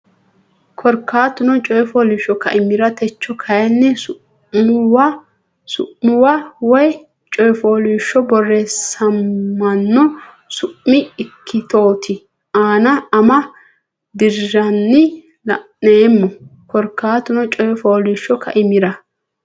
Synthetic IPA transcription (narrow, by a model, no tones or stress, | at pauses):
kʰɔɾkːaːt̪ʊnɔt͡ʃʼɔjfoːliʃːɔkɐ̰ʔɪmɪɾɐt̪ɛt͡ʃːɔkʰɐjɐnːɛʊ | mw | sʊ̰ʔmʊwawɔj | t͡ʃʼɔjfoːliːʃːɔbɔresɐmːɐnːɔ | sʊʔmɪɪkʰːɪt̪o̞ːt̪ʰɪ | aːnɐɐmɐ | d̪ɪɾʒɐnːɪ | lɐ | neːmːɔkɔɾkːaːt̪ʊnɔt͡ʃʼɔjfoːliːʃːɔkʰɐ̰ʔɪmɪɾɐ